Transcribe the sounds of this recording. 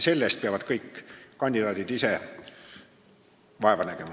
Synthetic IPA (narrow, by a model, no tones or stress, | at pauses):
se̞lːest̪̚peɑvɑd̪̥kɤjkːɑnʲd̪id̪ɑːd̪id̪ise | ʋɑe̞vɑnæɡ̥e̞mɑ